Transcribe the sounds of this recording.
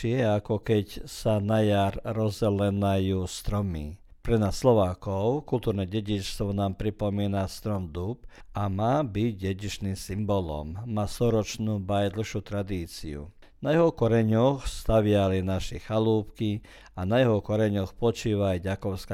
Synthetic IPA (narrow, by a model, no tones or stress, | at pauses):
ɪɛakɔkɛcsanajaɾɾɔzɟɛlɛnajuːst̪ɾɔmḭ | pɾɛnaːsːlɔʋaːkɔʊkult̪uːɾnɛɟɛɟit͡ʃst̪ʋɔnaːmpɾipɔmiːnast̪ɾɔmd̪upamaːbiɟɟɛɟiʃniːmsimbɔlɔ̰mːaːst̪ɔɾɔt͡ʃnuːbajd̪l̩ʃut̪ɾad̪iːt͡sḭṵ | najɛɦɔkɔɾɛɲɔxst̪aʋɪalinaʃɛxaluːpki | anajɛɦɔkɔɾɛɲɔxpɔt͡ʃiːʋajɟakɔʊska